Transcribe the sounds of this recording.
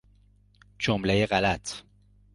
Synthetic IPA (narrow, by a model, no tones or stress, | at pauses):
d͡ʒomlejeɣælæt̪ʰ